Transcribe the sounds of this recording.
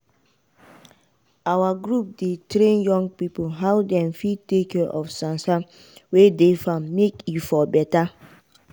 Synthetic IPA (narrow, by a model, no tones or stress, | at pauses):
awaɡɾup̚detɾẽnjɔ̃ŋɡ̚pipolɦawdɛ̃mfitekɛʔɔfsãnsa | wedefãmːekifɔbɛta